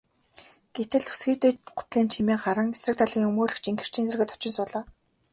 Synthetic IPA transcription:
ɡ̥et̪ɘ̆ɮu̥sɡiːt̪uːɢʊ̥t̪ɮiːnt͡ɕʰimeːŋχaɾə̆ŋesrə̆k̚t̪ʰaɮɣʲiːŋɵmoːɮɵ̆kt͡ɕʰiŋɡĕ̥r̥t͡ɕʰiːnt͡sĕrɣʲɘ̆t̪ʰɔ̥t͡ɕɪ̆nsʊːɮaː

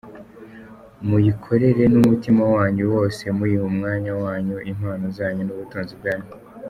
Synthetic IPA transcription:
mujikʰo̞ɾe̞ɾe̞numutimawaːɲuwo̞ːse̞muɾimumŋaːɲawaːɲoʔim̥haːnozaːɲonuβutuːnzib̚ɡaːɲo

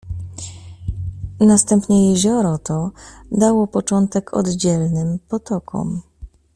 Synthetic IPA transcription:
nast̪ɛmpɲɛjɛʑɔɾɔt̪ɔd̪awɔpɔt͡ʂɔnt̪ɛkʰɔ̰d̪d͡ʑɛlnɘmpɔt̪ɔkʰɔ̰m

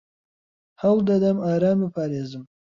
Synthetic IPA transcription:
hawd̪ɐd̪ɐmaːɾɑːmepʰaːɾeːzəm

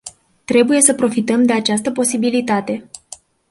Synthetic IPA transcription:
t̪ɾe̞buje̞səpɾo̞fit̪əmd̪e̞at͡ʃast̪əpo̞sibilit̪at̪e̞

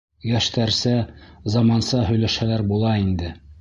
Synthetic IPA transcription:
jæʃt̪æɾsæzɑmɑnsɑɦɵ̆jlæʃhælæɾbulˠɑind̪ɘ

